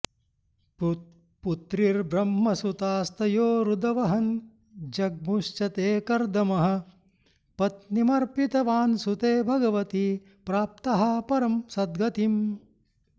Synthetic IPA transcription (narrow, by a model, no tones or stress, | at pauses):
put̪ɾiɾbɾɐmːɐsut̪aːst̪ɐjoːɾud̪ɐʋɐɦɐn | d͡ʒɐɡ̚buʃt͡ʃɐt̪eːkɐɾd̪ɐmɐɦɐ̆ | pɐt̪̚nimɐɾpit̪ɐʋaːnsut̪eːbʱɐɡɐʋɐt̪i | pɾaːp̚t̪ɐɦɐpɐɾɐmsɐd̪̚ɡʱɐt̪im